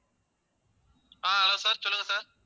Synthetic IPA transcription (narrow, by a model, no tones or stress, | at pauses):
aːɐloːsaːɾt͡ɕolːɐŋɡɐsaːɾ